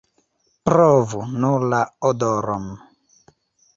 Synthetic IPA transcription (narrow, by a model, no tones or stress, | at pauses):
pɾɔvunulaɔdɔɾɔm